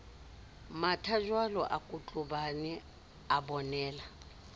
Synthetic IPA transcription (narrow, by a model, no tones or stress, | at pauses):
matʰaʒwalɔʔakʼut͡ɬʼʊbanɛ | abɔnɛːla